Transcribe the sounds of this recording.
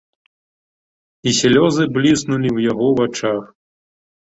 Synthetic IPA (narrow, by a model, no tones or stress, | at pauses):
isʲlʲɔzɨblʲisnulʲiwjaɣɔvat͡ʂax